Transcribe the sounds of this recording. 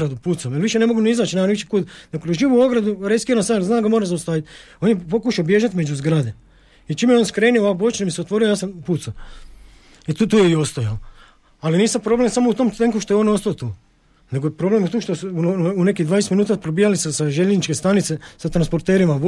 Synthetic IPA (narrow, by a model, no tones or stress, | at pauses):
ɾad̪upuːt̪samjelʋiʃene̞moɡuniizaːt͡ʃnaanit͡ʃi̥kud̪d̪akod̪oʒiːʋuoɡɾad̪uɾeskiɾansalznaːɡamoːɾazaust̪aːʋit̪ | o̞ːnjepo̞kuʃaobje̞ːʒat̪me̞d͡ʒuzɡɾad̪e | it͡ʃimeeonskɾenioabot͡ʃnamiseot̪ʋo̞ɾijojaːsampuːt̪sa | it̪ut̪uːjeiost̪ojao | aliniːsampɾo̞ble̞msamout̪omt̪eŋkuʃt̪o̞eono̞st̪aot̪uː | ne̞ɡopɾo̞ble̞mut̪uːʃt̪osuunekid̪ʋaːneset̪minuːt̪apɾobijalisasaʒeʎeznit͡ʃkest̪anit̪sesat̪ɾanspo̞ɾt̪eːɾima